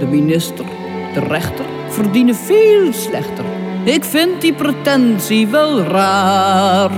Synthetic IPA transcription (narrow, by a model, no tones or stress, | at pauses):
dəminɪstər | d̥ərɛχtər | fərdinəfiːlˠslɛχtər | ɪkfɪnt̚dipretɛnsiʋɛlˠraːr